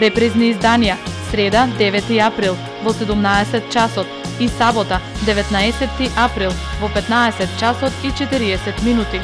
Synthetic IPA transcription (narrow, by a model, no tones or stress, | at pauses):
ɾɛpɾizniːzd̪anijasɾɛd̪ad̪ɛvɛt̪iapɾilˠ | vɔsɛd̪umnaɛsɛt̪̚t͡ʃasɔt̪ | isabɔt̪ad̪ɛvɛt̪naɛsɛt̪ːiʔapɾilˠvɔpɛt̪naɛsɛt̪̚t͡ʃasɔt̪it͡ʃɛt̪iɾiɛsɛt̪minut̪i